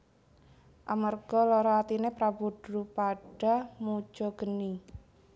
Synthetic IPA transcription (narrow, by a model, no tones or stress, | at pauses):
ʔamarɡ̥ɔlɔɾɔat̪inepɾabud̥ɾupaɖ̥a̤mu̥ʒ̥ɔɡ̥əni